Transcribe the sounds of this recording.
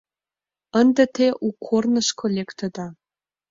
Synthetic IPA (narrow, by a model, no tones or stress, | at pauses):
ənd̪ĕt̪ʰeʔukʰːornə̆ʃkʰolʲekt̪ə̆d̪ɑ